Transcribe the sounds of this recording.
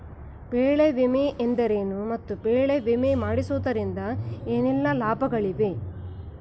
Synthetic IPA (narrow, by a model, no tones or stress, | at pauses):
peːɭeʋimeʔend̪ɐɾeːnumɐt̪ːubeːɭeʋimemaːɽisuːd̪ɐɾind̪ɐeːnɛlːɐlaːbʱɐɡɐɭiʋe̞